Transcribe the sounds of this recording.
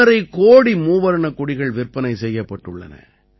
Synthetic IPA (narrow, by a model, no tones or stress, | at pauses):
ɐɾɐɪkoːɽimuːʋɐɾɐɳɐkʊɽɪɣɐɭʋɪrpːɐnɐɪsɛjːɐpːɐʈːɯɭːɐ̰nɐ̰